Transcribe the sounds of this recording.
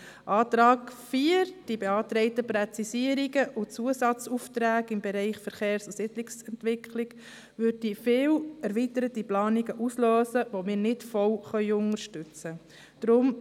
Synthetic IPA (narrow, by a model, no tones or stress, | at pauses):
ʔɑːt̪ɾɑːkfiɾd̥ibeɑːtɾɛɪtəpɾɛt͡sisiəɾiɡəʔʊt͡suəsɑt͡suftɾæːɡɪmbɛɾɛɪχfəɾχeːɾsosɪdlɪksɛntʋɪkʰlɪɡ̥ | ʋʏd̚ifɪːwɛɾʋitəɾətiplɑːniɡəʔusløːsəʋomɪːɾnɪtfɔwχœʏʊŋəɾʃtʉt͡sə | d̥ɾʊm